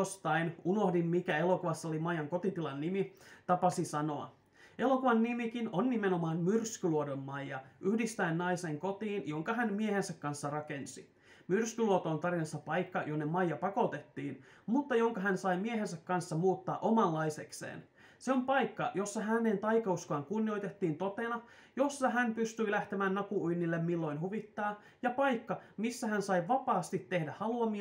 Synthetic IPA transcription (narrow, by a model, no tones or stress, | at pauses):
ost̪ɑinuno̞hdimmikæe̞lo̞kuʋɑsːɑolimɑjɑŋko̞t̪it̪ilɑnːimit̪ɑpɑsisɑno̞ɑ̰ | e̞lo̞kuʋɑnːimikinonːimeno̞mɑːnmyrskyluodommɑjːɑʔyhdist̪æinnɑise̞ŋko̞t̪iːnjo̞ŋkɑɦænmiehe̞nsækkːɑnsːɑrɑke̞nsi | myrskyluot̪oːnt̪ɑrinɑsːɑpɑjkːɑjonːemɑjːɑpɑko̞t̪e̞t̪ːiːn | mut̪ːɑjo̞ŋkɑɦænsɑjmieɦe̞nsækːɑnsːɑmuːt̪ːɑ̰ːʔo̞mɑlːɑjse̞ksḛːn | seo̞mpɑjkːɑjo̞sːɑɦæne̞nt̪ɑjkɑuskɑːŋkunːio̞jt̪e̞t̪ːiːnt̪o̞t̪enɑ | jo̞sːɑɦæmpyst̪yilæht̪e̞mæːnnɑkuujnːilːemmilːo̞jnɦuʋit̪ːɑː | jɑpɑjkːɑmisːæɦænsɑjʋɑpɑːst̪it̪ːe̞hdæhɑluɑmi